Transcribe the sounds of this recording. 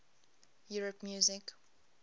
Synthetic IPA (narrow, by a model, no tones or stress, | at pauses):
juɹəpmjuːzɪk